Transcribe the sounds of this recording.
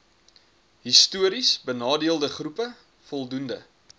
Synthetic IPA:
ɦistuəɾisbənɑːdiəlˠdəχrupə | fɔlˠdundə

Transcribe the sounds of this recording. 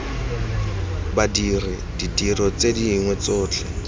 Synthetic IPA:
badirɪ | didirɔt͡sediŋwɛt͡sʊːt͡ɬʰɛ

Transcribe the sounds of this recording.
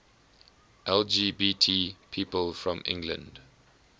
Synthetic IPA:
ʔɛld͡ʒibitʰipʰiːpəlfɹɔ̃mɪ̰̃ŋɡlə̰̃nd

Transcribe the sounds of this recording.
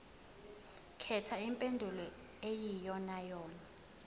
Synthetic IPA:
kʰɛtʰaimpʼendʱulɔ | ejijɔnajɔːna

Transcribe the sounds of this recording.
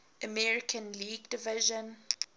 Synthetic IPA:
əmɛɹɪkʰə̃nliːɡdɪvɪʒə̃n

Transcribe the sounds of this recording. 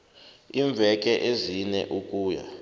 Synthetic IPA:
iɱb̪vʱɛk̬ʼɛʔezinɛ̰ʔukʼuːja̰

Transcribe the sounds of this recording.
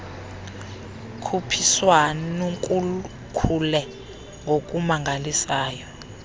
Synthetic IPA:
kʰupʰiswannuŋkʼul | kʰulɛ | ŋɡʱok̬ʼumaŋʱalisaːjɔ

